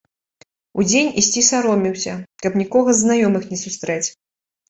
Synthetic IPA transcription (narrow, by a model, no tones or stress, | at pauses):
ud͡zʲenʲisʲt͡sʲisaɾɔmʲiwsʲɐkkɐpnʲikɔɣɐzːnajɔmɨxnʲɛsust̪ɾɛt͡sʲ